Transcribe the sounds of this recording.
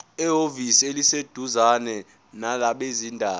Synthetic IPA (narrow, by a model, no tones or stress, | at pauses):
ɛɦovisielised̥ʱuzanɛ | nalaɓezindʱaː